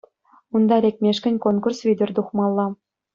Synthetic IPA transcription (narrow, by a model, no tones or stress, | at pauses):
und̪ɑɾʲek̚ʲmʲeʃkʲɘ̆nʲkonkursvʲid̪ʲɘ̆rʲd̪uχmɑlˠːɑ